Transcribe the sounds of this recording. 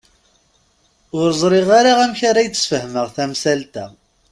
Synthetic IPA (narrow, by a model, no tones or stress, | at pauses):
ʊɾzˤɾˤɪʁaɾaʁæmçaɾæjt͡sːsfəhməʁθæmsælt̪æ